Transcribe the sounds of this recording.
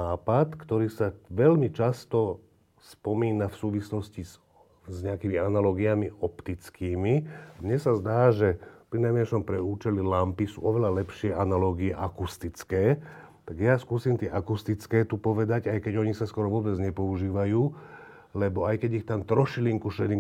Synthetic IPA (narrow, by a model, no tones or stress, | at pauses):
aːpat̪kt̪ɔɾiːsaʋɛlmit͡ʃast̪ɔ | spɔmiːnafsuːʋislɔsciz | zɲɛakimianalɔːɡiamiʔɔpt̪it͡skiːmiamɲɛsazd̪aːʒɛpɾinajmɛʃɔmpɾɛuːt͡ʃɛlilampisṵːɔʋɛlalɛpʃɪɛʔanalɔːɡiɛʔakust̪it͡skɛː | t̪aɡjaskuːsiːmt̪ɪɛʔakust̪it͡skɛːt̪upɔʋɛd̪aɟajkɛɟɔɲisaskɔɾɔʋʊɔbɛd͡zɲɛpɔuʒiːʋajuː | lɛbɔajkɛɟixt̪amt̪ɾɔʃiliŋkuʃɛd̪im